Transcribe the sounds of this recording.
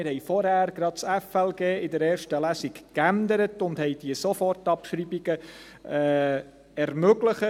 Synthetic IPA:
ɪɾhɛjfɔɾhæːɾɡ̥ɾɑd̥sɛfɛlɡeːɪdəɾeːɾʃtəlæsikkændəɾətʊndhɛjd̥iəsofɔrtɑpʃɾiːbiɡ̥ə | ɛː | ɛɾmøɡləχə

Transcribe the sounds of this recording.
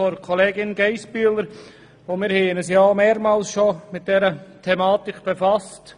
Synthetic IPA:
ɔɾkʰɔleːɡɪnɡɛɪsbyːləɾ | omɪːɾhɛːənəsjameːɾmɑːlsʃomɪt̚d̥ɛɾətʰɛmaːtɪkb̥efɑst

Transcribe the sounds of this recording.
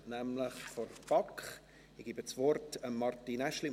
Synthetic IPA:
næmləχfɔrb̥ɑkχ | iɡ̥iːbəsvɔrtəmːɑrtinɛʃli

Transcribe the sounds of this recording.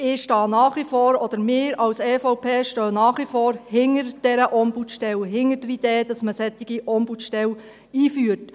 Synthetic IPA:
ɪʃtɑːnɑːχʋifoːɾɔd̪̥əɾmɪːɾɑwsɛːfɔʊpʰeːʃtœːnɑːχʋifoːɾhɪŋəɾd̥ɛɾəʔɔmbutʃtɛlɦɪŋədəid̥eːd̥ɑsməsɛt̪ːiɡ̥iʔɔmbutʃtɛl | iːfyːəɾt

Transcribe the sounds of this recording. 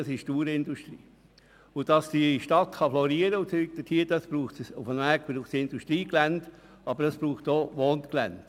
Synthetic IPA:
sɪʃtuːɾɪnduʃtɾiː | ʊd̥ɑsd̥iʃtɑtχɑflɔɾiːəɾəʊt͡syk̚d̥̪ətʰiːd̥ɑsb̥ɾuːχtsʊfənʋæːkb̥ɾuːχsɪnduʃtɾiːɡlænt | ɑb̥əɾɑsb̥ɾuːχtoːʋoːntklænt

